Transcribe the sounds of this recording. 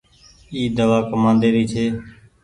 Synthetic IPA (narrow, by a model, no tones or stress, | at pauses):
iːd̪əʋaːkəmãːnd̪eːɾiːt͡ʃʰeː